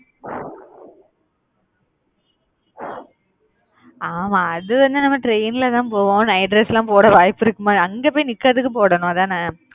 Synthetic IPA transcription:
aːmãːɐðɯʋɐnd̪ɯnɐmːɐʈɾeɪnɪlɐt̪ãːpoːʋõːnɐɪɖɾɛslãːpoːɽɐʋaːjpːɪɾɯkːɯmaːɐŋɡeːpoːjinɪkːɐɾɐðɯkːɯpoːɽɐnʊ̃ɐðãːnãː

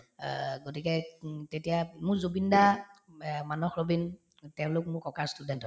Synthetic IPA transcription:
ɡotikɛtetijamʊɹzobinda | manɔxɹobin | tɛʊ̃lʊk̚mʊɹkɔkaɹstudɛntɔ

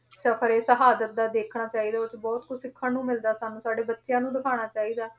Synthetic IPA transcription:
səpʰəɾeːsəɦaːd̪ət̪̚d̪aːd̪eːkʰɽaːt͡ʃaːiːd̪aːʊsbɔːt̪kʰʊd͡ʒsɪkʰːãːnũːmɪld̪aːsaːnũːsaːɖeːbətːʃjãːnũːd̪ɪkʰaːɽ̃aːt͡ʃaːiːd̪aː

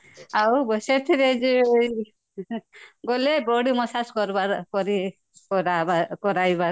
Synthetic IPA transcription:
awbɔset̪ʰiɾed͡ʒij | ɡɔlebɔɽimɔsaskɔɾbaɾkɔɾi | kɔɾabakɔɾajbaɾ

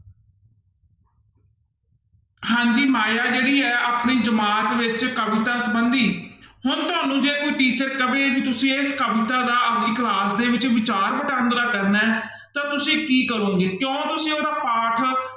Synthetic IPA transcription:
ɦãːɲd͡ʒiːmaːjaːd͡ʒeːɽiːɛːʔaːpniːd͡ʒəmaːt̪ʋɪt͡ʃkəʋɪt̪aːsəbənd̪iːhʊnt̪ʊaːnũːd͡ʒeːkuiʈiːt͡ʃəɾkəbẽːbiːt̪ʊsĩːeskəʋɪt̪aːd̪aːʔəpniːklaːsd̪eːʋɪt͡ʃʋɪt͡ʃaːɾpəʈãːnd̪ɾaːkəɾnɛː | t̪ãːt̪ʊsĩːkiːkəɾõːɡeːkjõːt̪ʊsĩːoːɾaːpaːʈʰ

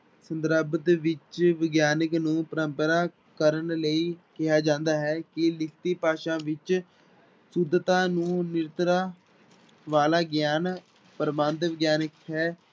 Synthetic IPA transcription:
sənd̪əɾəbət̪ʋɪt͡ʃʋɪɡjaːnəknũːpəɾəmpəɾaː | kəɾənləiːkɪɦaːd͡ʒãːnd̪aːɦɛːkɪlɪkt̪iːpaːʃãːʋɪt͡ʃ | sʊd̪t̪ãːnũːnɪɾt̪ɾaː | ʋaːlaːɡjaːn | pəɾmãːnt̪ʋɪɡjaːnəkɦɛː

